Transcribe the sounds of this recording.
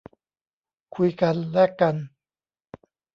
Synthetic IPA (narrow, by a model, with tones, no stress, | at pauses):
kʰu˧jka˧nlɛː˦˥ka˧n